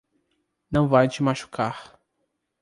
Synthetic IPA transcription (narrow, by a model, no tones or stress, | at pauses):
nɐ̃w̃vajt͡ʃɪmaʃu̥kʰaɾ